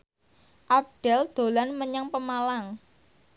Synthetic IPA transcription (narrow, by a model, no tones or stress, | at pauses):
ʔap̚ɖ̥ɛ̤ld̪̥o̤lanməɲaŋpəmalaŋ